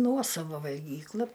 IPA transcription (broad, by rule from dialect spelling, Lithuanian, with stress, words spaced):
ˈnuɔsɐʋɐ ʋɐlʲˈɡʲiːklˠɐ